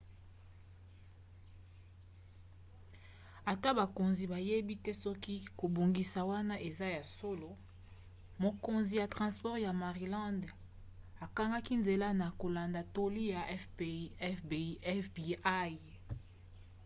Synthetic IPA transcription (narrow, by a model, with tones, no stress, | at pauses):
a˨ta˦ba˨ko˨nzi˨ba˨je˦bi˦tɛ˦sɔ˦ki˦ko˨bo˨ŋɡi˨sa˨wa˦na˦ʔe˨za˦ja˨so˦lo˨ | mo˨ko˨nzi˨ja˨tʁɑ̃˨spɔ˦ʁja˨ma˨ʁi˨lã˦nd | a˨ka˦ŋɡa˦ki˦nze˨la˦na˨ko˨la˨nda˨to˦li˦ja˨˦ffbɛ˦fbi˨a˦j